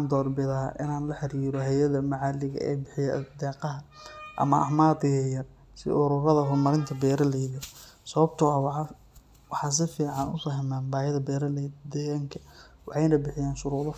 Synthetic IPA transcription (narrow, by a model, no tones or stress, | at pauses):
nd̪ɔːrbɪðɐʔɪ̰naːnlɐħɪɾiːɾɔɦɛjɐðɐmɐʕɑːlɪɣɐ̰ʔɛ̰jbɪħɪjɛd̪ɛːqɑɦɐʔɐ̰mɐʔɐ̰maːd̪ɪɣɐjɐr | sɪ̰ʔʊɾʊɾɐðɐɦʊrmɐɾɪnt̪ʰɐbɛːɾɐlɛjɪɣɪɾɔ | sɐβɐbt̪ʰʊɐw | wɑħɑs̬ɪfiːʕɑnʊ̰sɔːɦɛmaːnbaːjɐðɐbɛːɾɐld̪ɛɣaŋkʰɐ | wɑħɑjnɐbɪħɪjaːnʃʊɾuːðɔ